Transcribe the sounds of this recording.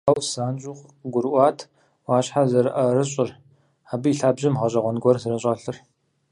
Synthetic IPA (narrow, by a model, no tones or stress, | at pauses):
aːwsaːnt͡ʃʼʊʁɡʷʊɾʔʷɑːtʰ | waːɕħazɐɾɨʔɐrɨɕʼɪr | aːbɨiɬaːbʑɪmʁɐɕʼɐʁʷɔnɡʷɔrzɨrɨɕʼɐɬɨr